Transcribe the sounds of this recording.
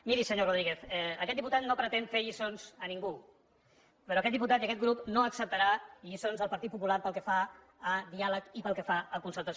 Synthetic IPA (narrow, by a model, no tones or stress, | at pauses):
miɾisəɲoroð̞ɾiɣeθɛəkɛt̪d̪iput̪at̪̚nopɾət̪enfeʎisonzəniŋɡu | pəɾoəkɛt̪d̪ip̬ut̪at̪iəkɛt̪̚ɡɾupnoəksəp̚t̪əɾaʎisonzðəlˠpəɾt̪it̪̚pupulaɾpəlˠkəfa | əðialəkipəlˠkəfaəkunsəlˠt̪əs